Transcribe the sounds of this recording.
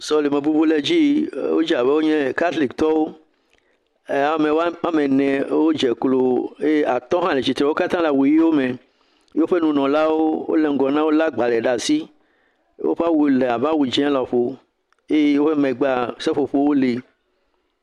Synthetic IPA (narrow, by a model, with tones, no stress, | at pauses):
sɔ˨le˨mẽ˨bu˦bu˦le˨d͡ʑi˦wo˦d͡ʒi˦a˨be˦wo˦ɲɛ̃˦˨ka˦t̪li˨kt̪ɔ˦wo˦ | a˨˦mẽ˨wa˦mẽ˨nɛ̃˨wo˦d͡ʒɛ˨klo˨e˦a˨t̪ɔ̃˦ɦã˦le˨t͡ʃi˨t̪ɾɛ˨wo˦ka˦t̪ã˦la˨wu˨ji˦wo˦mẽ˨ | jo˦ɸe˦nũ˨nɔ̃˨la˦wo˦wo̰˦le˨ŋ̩˦ɡɔ˨nã˦wo˦la˦ɡ͡ba˨lɛ˨ɖa˨si˦ | wo̰˦ɸe˦a˦wu˨le˨a˨bã˦wu˨d͡ʒɛ̃˦la˨ɸo˨ | e˦je˦wo˦ɸe˦mɛ̃˨ɡ͡ba˦sɛ˦ɸo˨ɸo˦wo˦li˨